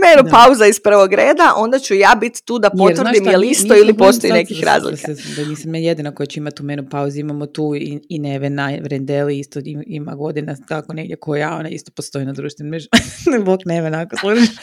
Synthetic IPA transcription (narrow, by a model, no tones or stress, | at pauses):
menupauzaispr̩ʋoɡɾeːd̪aʔõ̞nd̪at͡ɕujaːbit̪t̪uːd̪apoɾʋrd̪imjjeliisoilipo̞sojine̞kixɾa̰ːzlˠikaɛsamd̪aniːsamjaːjed̪inako̞jat͡ɕɛimat̪ːumenupauziimamot̪uːiineʋenaʋɾend̪eliist̪oiima̰ɡo̞d̪inad̪akoneɡdʲjekʰojao̰naḭst̪opost̪o̞inad̪ɾuːʃt̪ʋinmɛʒnboknemenakoslˠuʒi